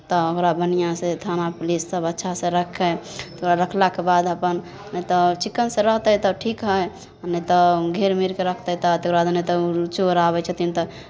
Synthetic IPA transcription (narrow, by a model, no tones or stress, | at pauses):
t̪ɔəkɾabənijasẽt̪ʰanaplisːəbətːʃʰasẽɾəkʰːɛt̪ʰoɾaɾəkʰlakebad̪əpən | net̪ɔt͡ʃikːənsẽɾəɦt̪ət̪ɔʈʰikɦəj | ənːet̪ɔɡʱeɾmiɾkeɾəkʰt̪əɦt̪ɔt̪okɾbad̪ənet̪ɔt͡ʃoɾabɛt͡ʃʰət̪imt̪ɔ